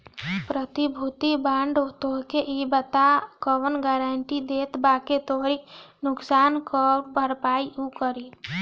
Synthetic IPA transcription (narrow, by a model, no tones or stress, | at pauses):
pɾət̪ibʱut̪ibaːɳɖot̪oɦkeʔibət̪akəʋənɡɛːɾəɳʈid̪eːt̪baket̪oɦɾinʊksaːnkɔʈbʱəɾpaːiukəɾi